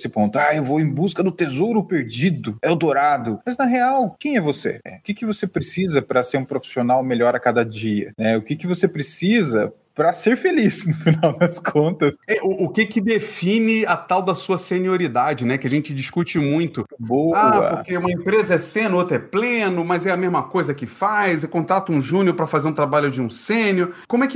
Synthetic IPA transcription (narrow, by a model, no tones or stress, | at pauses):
sɪpõnt̪ʊaewvoẽj̃buskɐd̪ʊt̪ezowɾʊpeɾd͡ʒid̪ʊɛwd̪oɾad̪ʊmɐznɐɦeawkẽj̃ɛvosḛɛ̰ʊkɪkɪvosepɾesizɐpɾɐseɾũpɾofi̥sionawmeʎɔɾɐkad̪ɐd͡ʒiɐ̰nɛʊkɪkɪvosepɾesizɐ | pɾɐseɾfelisnʊfinawd̪ɐskʰõnt̪ɐsɛʔʊʔʊkɪkɪd̪efĩnɪɐt̪awd̪ɐsuɐsenioɾid̪ad͡ʒɪnɛkɪɐʒẽt͡ʃɪd͡ʒiʃkut͡ʃɪmũj̃t̪ʊboaɐ̰pokeũmɐẽpɾezɐɛsẽnʊot̪ɾʊɛplẽnʊmɐjzɛɐmezmɐkojzɐkɪfajzekõnt̪ɾat̪ʊũʒũnoɾpɾɐfazeɾũt̪ɾabaʎʊd͡ʒɪũsẽnʊkõmʊɛkɪ